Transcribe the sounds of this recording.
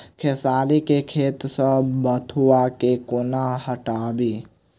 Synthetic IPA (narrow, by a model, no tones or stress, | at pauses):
kʰesaːlikekʰeːt̪səbət̪ʰuakekonahəʈaːbiː